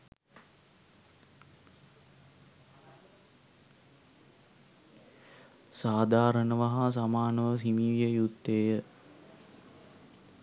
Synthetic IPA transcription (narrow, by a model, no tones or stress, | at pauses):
saːd̪ʱaːɾənəʋaɦas̬amaːnəʋəsimiːljəjut̪ːeːjə